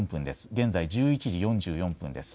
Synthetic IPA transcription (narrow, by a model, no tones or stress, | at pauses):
mpɯ̟̃nd̪e̞sɨ̥ɡẽ̞nd͡zaid͡ʑɨːit͡ɕiʑijõ̞ɲ̟d͡ʑɨːjõ̞mpɯ̟̃nd̪e̞sɨ̥